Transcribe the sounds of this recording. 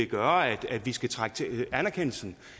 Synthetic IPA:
eɡ̥ɶɐæd̥æd̥ʋisɡ̥æt͡sʰʁaɡ̥ət͡sʰeænæɐkʰen̰l̩sn̩

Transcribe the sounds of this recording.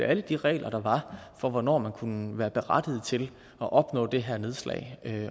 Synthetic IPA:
æləd̥iʁɛ̰ːlʔɐɾ̥ɑ̈ʋɑ̈fɒ̽ʋɒnɒ̰ːmænkʰunəʋæːɐb̥e̝ʁad̥ið̞̩ˠt͡sʰe̝l | ɒ̽ʔɒ̽b̥nɔ̰̽ːd̥e̝ɦæɐne̝ð̞ˠslɛ̰ɪ

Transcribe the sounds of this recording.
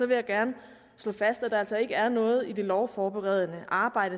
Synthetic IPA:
sɒ̽ʋe̝jɑ̈ɡ̥æɐnə | slɔ̰̽ːfæsd̥æd̥ɑ̈æl̰sɒ̽e̝ɡ̥əæɐnɔ̽ːð̞̩ˠid̥e̝lɒʊfɒːb̥eʁɛð̞ˠənəʔɑ̈ːb̥ɑ̈ɪ̰d̥ə

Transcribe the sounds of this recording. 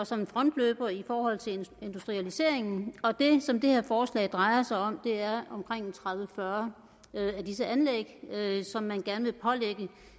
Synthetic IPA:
ɒ̽sɒ̽mnfʁɒ̽n̰d̥løːb̥ɐifɒːɦɒ̽l̰t͡sʰe̝le̝nd̥usd̥ʁiælise̝ɐ̰e̝ŋn̩ɒ̽d̥e̝sɒ̽md̥e̝heɐfɒːslɛ̰ɪd̥ʁɑ̈ɪɐsɑ̈ɪɒ̽md̥e̝æɐɒ̽mkʰʁeŋ̰t͡sʰʁaðˠʋəfɶɐ | æd̥isəænleɡ̥sɒ̽mːænɡ̥æɐnəʋe̝pʰɒ̽leɡ̥ə

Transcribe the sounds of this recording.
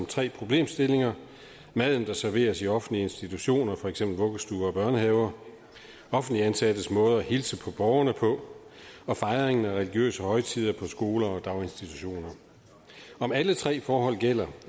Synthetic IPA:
mt͡sʰʁɛ̰ːpʰʁo̝b̥le̝̰ːmsd̥e̝le̝ŋɐ | mæð̞̰ˠn̩d̥ɑ̈sæɐʋe̝̰ːɐsiɒ̽fn̩dliəe̝nsd̥it͡sʰuɕo̝̰ːnɐfɒeɡ̥sem̰b̥l̩ʋɔ̽ɡ̥əsd̥uːɐɒb̥ɶɐnəɦɛʊɐ | ɒ̽fn̩d̥liænsæd̥əsmɔ̽ːð̞ˠɐæhilsəpʰɒ̽b̥ɒʊɐnəpʰɒ̽ | ɒ̽fɑ̈ɪʁeŋn̩æʁɛliɡ̥jø̰ːsəhɒ̽ɪt͡sʰið̰ˠɐpʰɒ̽sɡ̥o̝ːlɐɒ̽d̥ɑ̈ʊe̝nsd̥it͡sʰu̥ɕo̝̰ːnɐ | ɒ̽mælət͡sʰʁɛ̰ːfɒːɦɒ̽l̰ɡ̥el̰ɐ

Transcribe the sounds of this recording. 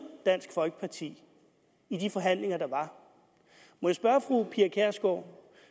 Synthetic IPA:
d̥æn̰sɡ̥fɒ̽lɡ̥ə̥pʰɑ̈t͡sʰḭː | id̥ifɒ̽ɦæn̰le̝ŋɐd̥ɑ̈ʋɑ̈ | mɒjäsb̥ɶɐfʁupʰiɐkʰæɐ̰sɡ̥ɒ

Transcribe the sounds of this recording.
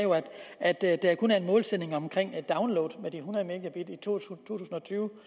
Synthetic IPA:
jo̝æd̥æd̥d̥e̝æɐkʰɔnæɐenmɔ̽ːlsed̥ne̝ŋɒ̽mkʰʁeŋ̰d̥ɑ̈ʊnloʊːdˠmed̥iɦunɐme̝ːɡ̥æb̥id̥əit͡sʰo̰t͡sʰo̝̰ːt͡sʰṵːsn̩ɒ̽t͡sʰyːʊ

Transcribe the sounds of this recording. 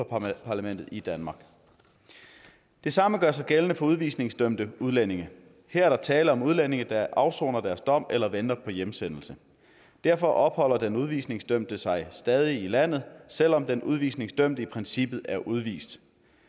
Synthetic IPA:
pʰɑ̈læmen̰d̥ð̩ˠid̥ænmɑ̈ːɡ̥ | d̥e̝sɑ̈məɡ̥ɶɐ̰s̬ɑ̈ɪɡ̥elənəfɒ̽uð̞ˠʋḭːsne̝ŋsd̥øm̰d̥əuð̞ˠlen̰e̝ŋə | heɐ̰ɐɾ̥ɑ̈t͡sʰɛːləɒ̽muðˠlene̝ŋəd̥æʔɑ̈ʊsɔ̰ːnɐd̥æɐsd̥ɒ̽m̰elɐʋend̥ɐpʰɒ̽jemsen̰l̩sə | d̥æɐ̰fɒ̽ʔɒ̽b̥hɒ̽l̰ɐd̥enuð̞ˠʋḭːsne̝ŋsd̥øm̰d̥əsɑ̈ɪsd̥ɛːð̞ˠiilæn̰ð̞̩ˠsel̰ɒ̽md̥enʔuð̞ˠʋḭːsne̝ŋsd̥øm̰d̥əipʰʁɛnsib̥ð̩ˠæɐʔuð̞ˠʋḭːsd̥

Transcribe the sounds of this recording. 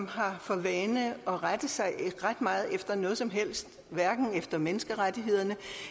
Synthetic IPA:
mɦɑ̈fɒ̽ʋɛːnəɒ̽ʁad̥ð̩ˠsɑ̈ɪʁad̥mɑ̈ːð̞̩ˠefd̥ɐnɔ̽ːðˠsɒ̽mɦel̰sd̥ | ʋæɐɡ̥n̩efd̥ɐmenəsɡ̥əʁadiɦe̝ð̰ˠɐnə

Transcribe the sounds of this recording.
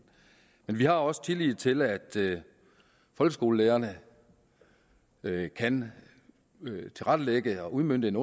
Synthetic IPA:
menʋihɑ̈ɒ̽sə̥t͡sʰeliðˠt͡sʰe̝læd̥ | fɒ̽lɡ̥əsɡ̥o̝ːləleːɐnə | kʰæn | t͡sʰe̝lʁad̥əleɡ̥əɒ̽ʔuðˠmøn̰d̥əe̝nɔ̽

